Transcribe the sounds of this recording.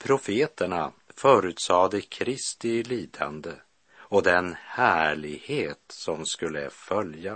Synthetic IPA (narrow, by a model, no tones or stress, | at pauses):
pʰɾʊfeːt̪əɳa | fœːɾʉ̟ːt̪sɑːd̪əkʰɾɪst̪ɪliːd̪a̰nd̪ə | ɔd̪ɛnhæːɭɪɡheːt̪sɔmskɵlːə̰fœlja